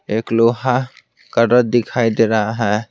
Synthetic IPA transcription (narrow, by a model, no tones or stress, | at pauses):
ekloɦa | kəɾəɾ̚d̪ɪkʰaid̪eɾəɦaɦɛ